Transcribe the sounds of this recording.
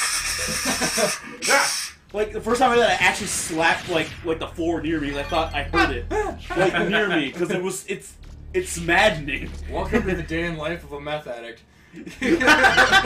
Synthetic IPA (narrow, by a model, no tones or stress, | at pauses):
jæ | laɪk̚ðɨfɜ˞stʰãɪmɪdaɪʔæk̚t͡ʃʉl̩ˠislæp̚tˡlaɪklaɪk̚ðəflɔɹnɪɹmizaɪθɔɾaɪhɜ˞ɾɪt̚laɪkanɹmikʰʌzɨt̚wʌzɪtsɨtsmædⁿnẽɪ̃mwʌt̚kʰɨ̃nbiðɨdeɪɨ̃nlaɪfʌvəməθæɾɨk̚t̚